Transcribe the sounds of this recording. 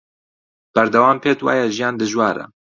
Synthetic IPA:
b̥ɐɾd̪ɐwaːmpʰeːt̪wa̰ːjɛʒijaːnd̪ɨʒwaːɾɐ̰

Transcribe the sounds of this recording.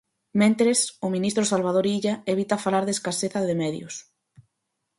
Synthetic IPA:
mẽnt̪ɾesʊmĩnist̪ɾʊsalβ̞aðoɾiʎaeβ̞it̪afalaɾðeskaseθɐðemɛðjʊ̰s

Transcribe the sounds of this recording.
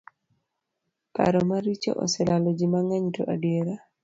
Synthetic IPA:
pa̰ɾɔmaɾit͡ʃo̰ʔɔ̰sɛlalɔd͡ʒimaŋaɲto̰ʔadieɾa

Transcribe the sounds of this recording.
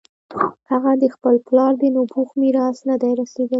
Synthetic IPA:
haɣad̪əxpəlplɑɾd̪ənobuxmiɾɑsnad̪ajɾɑsed̪ə

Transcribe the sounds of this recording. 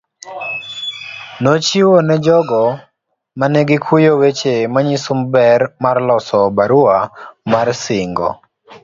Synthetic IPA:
nɔt͡ʃiwonɛd͡ʒɔɡɔ | manɛɡɪkʰujowet͡ʃemaɲisumbɛrmarlɔsɔbaɾuamarsɪŋɡɔ̰

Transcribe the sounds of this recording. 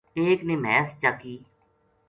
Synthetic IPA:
eːkneːmɛːst͡ʃaːkiː

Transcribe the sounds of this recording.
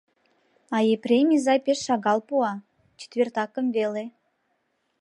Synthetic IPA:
ɑjeprʲemʲizɑjpeʃːɑɣɑlˠpuɑ | t͡ɕe̥t̪vʲert̪ɑkə̆mvelʲe

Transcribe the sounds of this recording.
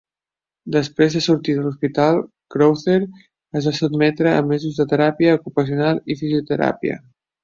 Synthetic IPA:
d̪əspɾezðəsuɾt̪iðəluspit̪alˠ | kɾowθeɾ | əzβasud̪mɛt̪ɾə̰ːmːɛzuzðət̪əɾapiəukupəsiunalˠifiziut̪əɾa̰piə̰

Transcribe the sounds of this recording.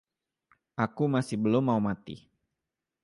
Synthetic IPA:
ʔakumasɪhbəlʊmːaumat̪ḭ

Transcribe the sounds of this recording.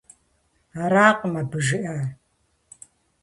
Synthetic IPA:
aɾaːqmɐbɨʒɨʔɐ

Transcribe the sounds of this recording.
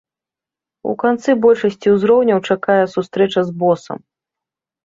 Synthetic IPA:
ṵkant̪sɨbɔlʲʂɐsʲt͡sʲiwzɾɔwnʲɐwt͡ʂakajɛsust̪ɾɛt͡ʂɐzbɔsɐ̰m

